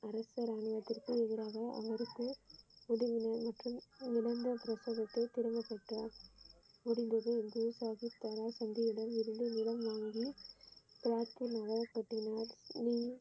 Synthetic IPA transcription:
ɐɾɐsɐɾaːɳɪʋɐt̪ːɪrkɯɛðɯɾaːɣɐʔɐ̰ʋɐɾɯkːɯʊɽɐʋɪnɐmɐʈrɯmɪɽɐnd̪ɐpɾɐsoːðɐt̪ːɐɪt̪ɪɾɯmbɐpːɐʈːɐ | mʊɽɪnd̪ɐðɯɛnd̪ɯsaːɣit̪ɐɾaːsɐnd̪ɪjɪɽɐmɪɾɯnd̪ɯnɪlɐmʋaːŋɡi | pɪɾaːt̪ːɯnɐɣɐɐpːɐʈːɪnaːɾniː

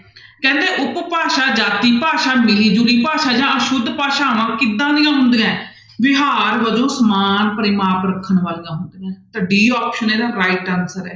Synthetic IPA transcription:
kɛ̃ːnd̪eːʔʊppaːʃaːd͡ʒaːt̪iːpaːʃaːmɪliːd͡ʒuɽiːpaːʃaːd͡ʒãːʔəʃʊd̪paːʃaːʋãːkɪd̪ːãːnɪjãːɦʊnd̪ɪjãː | ʋɪɦaːɾʋəd͡ʒõːsəmaːnpəɾɪmaːpɾəkʰːənʋaːlɪjãːɦʊnd̪jãːt̪əɖiːɔːpʃəneːɾãːɾaːɪʈɛ̃ːnsəɾɛ̰ː

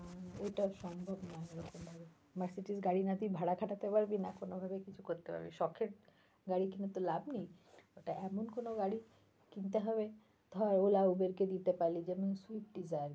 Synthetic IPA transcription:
ojʈaʃɔmbʱobnaeɾɔkombʱabe | maɾsiʈisɡaɽinad̪ibʱaɽakʰaʈat̪epaɾbinakonobʱabekit͡ɕʰukoɾt̪epa̰ɾbḭʃɔkʰeʈ̚ | ɡaɽikinat̪olabnijoʈaʔɛmonkonoɡaɽi | kint̪̬eɦɔbe | t̪ɔaɾolaubeɾked̪it̪epalid͡ʑɛnosuip̚ɖizajɾ

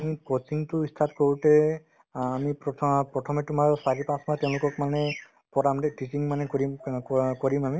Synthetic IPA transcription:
amikosiŋtʊistʰatkoɹutɛ | amipɔpɹɔtʰɔmɛtʊmaɹsaɹipãsmatɛʊ̃lʊkɔkmanɛ | pɔɹamdɛʈisiŋmanɛkoɹikoɹimami

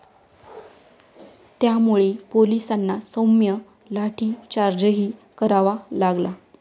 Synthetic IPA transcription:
t̪jamuɭepolisanːasomjə | laʈʰiːt͡ɕaɾd͡ʑəɦiːkəɾaʋalaɡla

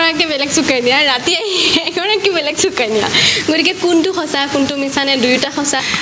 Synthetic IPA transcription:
ɔɹakːɛbɛlɛɡsukajniaɹatiajkɔɹak̚ibɛlɛɡsukajnija̰ɡotikɛkuntʊxɔsakuntʊmisanɛdujtaxɔsa

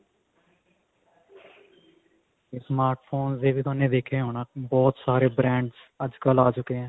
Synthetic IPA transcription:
esmaːɾʈpʰoːnsd̪eːʋiːt̪ʊaːnẽːd̪eːkʰeːɦoːnaːbɔːt̪saːɾeːbɾɛ̃ːɳɖz | əd͡ʒkəlaːt͡ʃʊkeːɛ̃ː

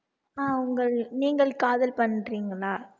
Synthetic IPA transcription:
aːʊŋɡɐɭniːŋɡɐɭkaːðɐlpɐnːriːŋɡɐɭaː

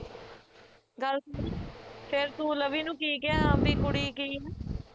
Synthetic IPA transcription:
ɡəl | pʰɪɾt̪uːləʋiːnũːkiːɡɪãːbiːkʊɽiːkiːɦː

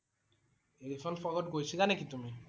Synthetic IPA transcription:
eɾifʰɔnfɔɡɔʈɡojsʰikanekit̪umi

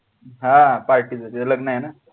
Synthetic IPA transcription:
ɦãpaɾʈid͡zəɾiləɡnaɦena

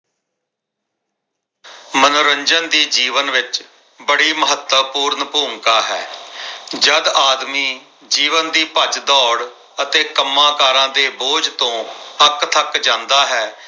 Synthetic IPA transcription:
mənoɾəɲd͡ʒənd̪iːd͡ʒiːʋənʋɪt͡ʃ | bəɽiːməɦət̪əpuːɾnpuːŋkaːɦɛ̰ː | d͡ʒəd̪aːd̪miː | d͡ʒiːʋənd̪iːpəd͡ʒd̪ɔːɽ | ət̪eːkəmːãːkaːɾãːd̪eːboːd͡ʒt̪õːəkt̪ʰəkd͡ʒãːnd̪aːɦɛː

